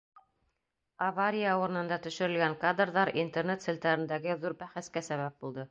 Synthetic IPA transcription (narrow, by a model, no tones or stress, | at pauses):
avaɾʲijauɾɤ̆nɤ̆nd̪ɑt̪ɵ̆ʃɵ̆ɾɘ̆lɡæŋkad̪rðɑɾint̪ernet̪sɘ̆lʲt̪ɑɾɘ̆nd̪æɡɘðuɾbæχæskæsæβæp̚bulˠd̪ɤ